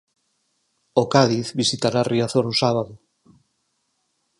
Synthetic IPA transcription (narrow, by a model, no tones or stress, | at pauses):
okaðiθβisit̪aɾariaθoɾusaβaðo